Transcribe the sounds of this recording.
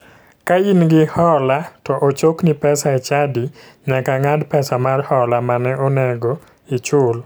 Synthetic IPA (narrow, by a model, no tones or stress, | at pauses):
kainɡɪhɔlatɔʔot͡ʃoknipɛsaɛt͡ʃadi | ɲakaŋadpɛsamarhɔlamanɛʔɔnɛɡo | it͡ʃʊl